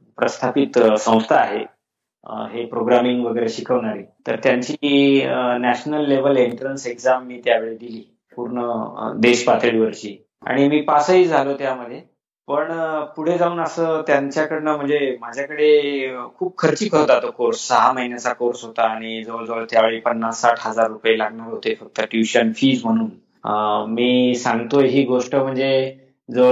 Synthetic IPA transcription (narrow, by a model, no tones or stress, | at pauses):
pɾəst̪ʰapit̪sə̃w̃st̪ʰaːɦe | ɦepɾoɡɾamiŋɡʋəɡəjɾeɕikʰəʋɳaɾit̪əɾt̪jaɲt͡ɕi | næɕnəlːeʋ̤əleɳʈɾənsekzamːiːt̪jaʋeɭed̪iliː | puɾɳəd̪eɕpat̪əɽiʋəɾt͡ɕiː | a̰ɽ̃imiːpasəiːd͡zʱalot̪jaməd̪ʱːje | pəɳpuɽ̤ed͡zauːnəsəːt̪jaɲt͡ɕjakəɽnəm̤əɳd͡zemad͡ʑʱjakəɽekʰuːp̚kʰəɾt͡ɕiːkʰəɾod͡zat̪okoɾsːəɦaməɦinjat͡sakoɾsɦot̪aːɽ̃id͡zəʋəɭd͡zəʋəlt̪jaʋeɭepənːasːaʈʰɦəd͡zaɾːupjelaɡɳaɾɦot̪efək̚t̪əʈjuɕənfiːd͡zm̤əɽ̃uːn | miːsaŋɡt̪ojɦiːɡoʂʈəm̤əɳd͡ze | d͡zə